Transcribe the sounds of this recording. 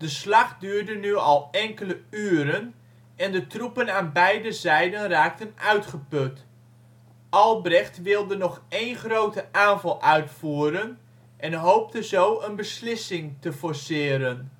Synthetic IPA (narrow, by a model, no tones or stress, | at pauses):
d̥əslɑχdyːɹdənyɑlˠɛŋkələyːɾən | ɛndətrupənaːnbɛjdəzɛjdənraːk̚tənœɥtχəpøt | ɑlˠbrɛχtʋɪlˠdənɔχejnχrowtəʔaːnvɑlˠʔœɥtfuːɾən | ʔɛnɦowp̚təzowənbəslɪsɪŋtəfɔɹsɪːɾən